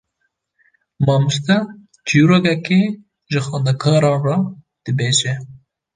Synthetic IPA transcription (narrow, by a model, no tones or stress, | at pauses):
mɑːmust̪ɛ | t͡ʃʰijuɾoːkɛke | ʒɨxɑːnd̪ɛkʰɑːɾɑːnrɑ | d̪̥ɨbeːʒɛ